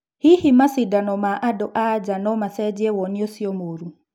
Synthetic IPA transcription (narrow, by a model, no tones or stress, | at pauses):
hihimasidanɔmaʔadɔʔad͡ʒanɔmasɛd͡ʒiɛwɔniɔsiɔmoɾu